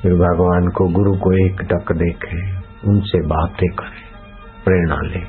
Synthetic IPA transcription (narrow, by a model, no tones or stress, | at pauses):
ɪɾbʱəɡʋaːnkoɡʊɾukoeːkʈəkd̪eːkʰẽ | ʊnsebaːt̪d̪eːkəɾ | pɾeːɽ̃a̰ːleː